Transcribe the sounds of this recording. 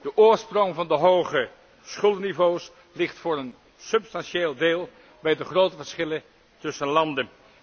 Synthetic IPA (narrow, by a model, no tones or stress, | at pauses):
d̥əʔʊːɹsprɔŋvɑndəɦowχə | sχɵlˠnivows | lɪχtfʊːɹən | sɵpstɑnʃeːlˠdeːlˠ | bɛjdəχrowtəvəɹsχɪlə | tɵsənlɑndən